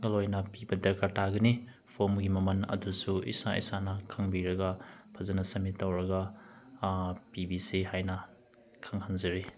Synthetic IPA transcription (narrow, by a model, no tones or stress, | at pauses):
ɡɐlojnɐpibɐdɐɾkaɾtaɡɐni | pʰomɡimɐmɐnɐ̰dusuḭsaḭsanɐkʰɐŋbiɾɐɡɐpʰɐzɐnɐsɐmitːɐwɾɐɡɐ | pibisiɦajnɐ | kʰaŋhanzɐɾi